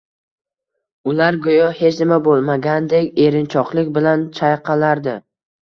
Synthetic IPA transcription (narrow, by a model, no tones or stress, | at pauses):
ʊlaɾɡojɒhe̞t͡ʃʰnɪmabolˠmaɡʲand̪e̞kʲe̞ɾɪnt͡ʃʰɒqlˠɪkʲbɪlant͡ʃʰajqʰɑlaɾd̪ɪ